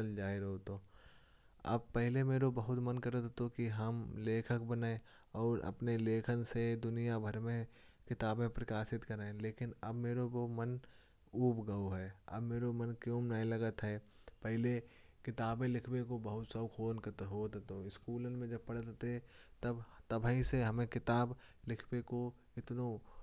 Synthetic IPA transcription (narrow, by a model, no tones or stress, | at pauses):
əld͡ʒaːiɾɦot̪oː | ɐ̰bpɛɦɪlemeːɾobɐɦʊt̪mənkɐɾət̪t̪okiɦɐmleːkʰək̚bənaẽ | ɔːɾɐ̰pneleːkʰənsed̪ʊnijabʱəɾmẽ | kɪt̪aːbẽpɾɐkaːʃɪt̪kɐɾaːẽleːkɪnɐbmeːɾobomən | uːpɡəoɦɛːɐ̰bmeːɾomənkjõːmnəĩləɡət̪ɦɛː | pɛɦɪlekɪt̪aːbẽlɪkʰbekobəɦʊt̪səbkʰoːnkət̪ɦot̪t̪oɪskuːlənmẽd͡ʒɐb̚pɐɽət̪t̪et̪əbt̪əbʱĩseɦəmẽkɪt̪aːblɪkʰbeko | ɪt̪no